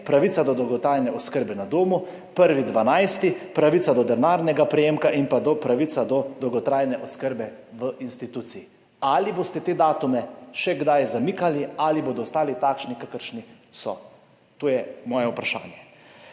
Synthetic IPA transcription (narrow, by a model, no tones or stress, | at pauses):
pɾaʋit̪sad̪ɔd̪ɔwɡɔt̪ɾaːjnɛʔɔskəɾbɛnad̪oːmu | pəɾʋid̪ʋanajst̪ipɾaʋit̪sad̪ɔd̪ɛnaːɾnɛɡapɾɛjeːmkaʔimpad̪ɔpɾaʋit̪sad̪ɔd̪ɔwɡɔt̪ɾaːjnɛʔɔskəɾbɛ | ʋəʔinst̪it̪uːt̪sii | aliboːst̪ɛt̪eːd̪aːt̪umɛʃɛɡd̪ajzamiːkalialiboːd̪ɔst̪aːlit̪aːkʃnikakəɾʃnisɔ̰ | t̪oːjɛmɔːjɛupɾaʃa̰ːnjɛ